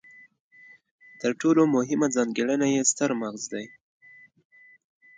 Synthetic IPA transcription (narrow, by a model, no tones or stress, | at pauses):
t̪əɾʈolomʊɦɪmad͡zɑnɡeɽənajest̪əɾmaɣzd̪aj